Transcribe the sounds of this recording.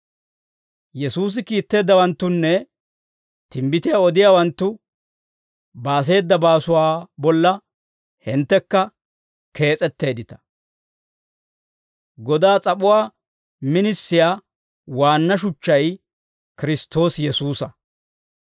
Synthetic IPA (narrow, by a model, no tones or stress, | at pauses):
jɛsuːs̬ɪkiːt̪ːe̞ːd̪ːɐwɐnt̪ːʊnːɛ | t̪ɪmbɪt̪ɪjaɔd̪ɪjaːwɐnt̪ːʊ | baːs̬e̞ːd̪ːɐbaːsʊwaːbɔlːɐ | hɪnt̪ːɛkːɐ | kʰe̞ːt͡sʼɛt̪ːe̞ːd̪ɪt̪ɐ̥ | ɡɔd̪aːt͡sʼɐɓʊwaː | mɪnɪsːɪjaː | waːnːɐʃʊt͡ʃːɐj | kɪɾɪst̪ːo̞ːsjɛsuːsɐ